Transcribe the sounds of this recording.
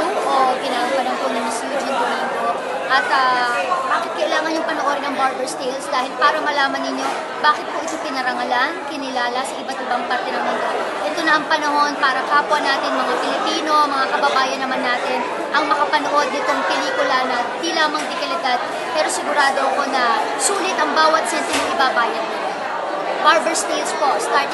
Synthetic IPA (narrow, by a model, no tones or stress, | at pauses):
okɪnaɐŋpɐnoŋponɐŋɐsjud͡ʒɪnd̪omiŋɡ̪o | ʔɐt̪ɐbakɪt̪̚kɐʔɪlaːŋɐnjʊŋpɐnoʔoɾŋnɐŋbaɾd̪ɛɹst̪ejlsd̪aːhɪlpaːɾɐmɐlaːmɐnːɪɲːo̞ | baːkɪt̪̚poʔɪt̪o̞pɪnɐɾɐŋɐlankɪnɪlaːlɐsɐʔɪbɐt̪ʔɪbɐŋpɐɾt̪ɛnɐŋmɐŋɡa | ʔɛt̪o̞nɐʔɐŋpɐnɐɦo̞npaːɾɐkɐɐpʊɐnːaːt̪ɪŋmɐŋapɪlɪpiːno̞mɐŋakɐbɐbaːjɐnːɐmanːaːt̪ɪn | ʔɐŋmɐkɐpɐnoʔo̞d̪̚nɪt̪o̞ŋpɛliːkʊlɐnɐd̪ilaːmɐŋd̪ɪkɐlɪd̪ad̪̚ | pɛːɾo̞sɪɡʊɾaːd̪o̞ʔɐko̞nɐ | suːlɪt̪ɐŋbaːwɐt̪̚sɛnt̪ɪnmɐŋʔɪbabaːjɐnɐ | baɹbɛɹst̪elspost̪aɹt̪